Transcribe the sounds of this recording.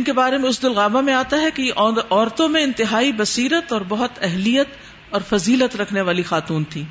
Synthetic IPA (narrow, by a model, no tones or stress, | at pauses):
ɪnkebaːɾemẽʊs̬d̪ɪlɣaːbamẽaːt̪aɦɛkeʔɔːɾt̪õmẽɪ̃nt̪ɪɦaːibɐsiːɾət̪ɔːɾbɐɦʊt̪ɛɦlijət̪ | ɔːɾfɐziːlət̪ɾɐkʰneʋaːlixaːt̪uːnt̪ʰiː